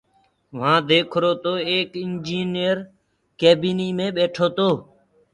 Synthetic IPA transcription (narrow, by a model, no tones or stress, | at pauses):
ʋ̤ãːd̪eːkʰɾoːt̪oːeːkɪnd͡ʒiːnɪjəɾ | keːbiːniːmẽːɓeːʈʰoːt̪oː